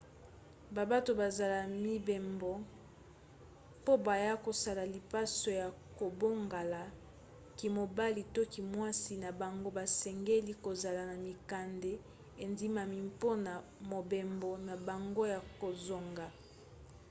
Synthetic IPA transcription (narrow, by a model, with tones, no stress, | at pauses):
ba˨ba˦to˨ba˨za˨la˨mi˦be˨mbo˨ | po˦ba˨ja˦ko˨sa˦la˨li˨pa˦so˨ja˨ | ko˨bo˦ŋɡa˨la˨ | ki˨mo˨ba˦li˨to˦ki˨mwa˦si˨na˨ba˨ŋɡo˦ba˨sɛ˨ŋɡe˦li˦ko˨za˨la˨na˨mi˨ka˨nde˦ | e˨ndi˦ma˨mi˨˦mpo˦na˨mo˨be˨mbo˨na˨ba˨ŋɡo˦ja˨ko˨zo˨ŋɡa˨